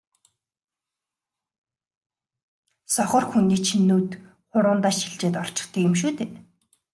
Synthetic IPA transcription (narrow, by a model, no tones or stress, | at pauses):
sɔχɞ̆rxuniːt͡ɕʰinːuːt̪ | χʊɾʊːnt̪aːʃiɮt͡ɕeːt̪ɔr̥t͡ɕɪ̥̆χt̪ʰiːemʃuːt̪ʰeːt̪